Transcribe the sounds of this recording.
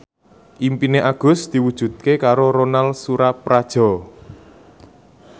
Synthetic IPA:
ʔimpineʔaɡ̥ʊ̤sd̪̥i̤wud̥ʒ̥ṳt̪̚kekaɾoɾonalsuɾapɾad̥ʒ̥ɔ̤

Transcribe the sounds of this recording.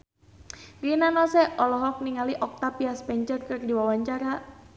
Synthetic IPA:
rinanɔsɛɔlɔɦɔk̚niŋaliʔɔk̚t̪apiaspɛɲt͡ʃərkərdiwawaɲt͡ʃaɾa

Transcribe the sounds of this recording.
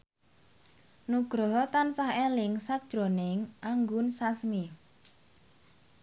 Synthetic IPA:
nuɡ̥ɾɔɦt̪ansaɦelɪŋsak̚d̥ʒ̥ɾo̤nɪŋʔaŋɡʊnsasmi

